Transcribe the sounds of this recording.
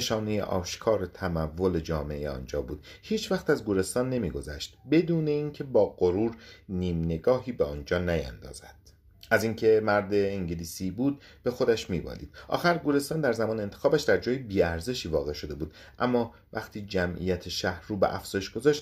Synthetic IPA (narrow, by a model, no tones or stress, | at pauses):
eʃɒːne̞jḛʔɒ̰ːʃkʰɒːɾet̪ʰæmævːo̞le̞d͡ʒɒːmeejeɒ̰ːnd͡ʒɒ̰ːbuːd̪̥ | hiːt͡ʃʰvæxt̪æzɡuɾe̞st̪ɒːnːe̞miːɡo̞zæʃt̪be̞d̪uːne̞iːŋcʰe̞bɒːɢoɾuːɾniːmne̞ɡɒːɦiːbeɒːnd͡ʒɒːnæjæ̰nd̪ɒ̰ːz̥æd̪̥ | ʔæziːŋcʰe̞mæɾd̪e̞ːŋɟeliːsiːbuːd̪̚ | b̥e̞xo̞d̪æʃmiːbɒ̰ːlḭːd̪̥ʔɒ̰ːxæɾɡuɾe̞st̪ɒːnd̪æɾzæmɒːneːnt̪ʰe̞xɒːbæʃd̪æɾd͡ʒɒːjebiːæɾze̞ʃiːvɒːɣe̞ʃo̞d̪e̞buːd̪ | ʔæmːɒː | væxt̪ʰiːd͡ʒæmʔḭjæt̪ʰeʃæhɾuːbḛʔæfz̥ɒːjeʃɡ̥o̞zɒːʃt̪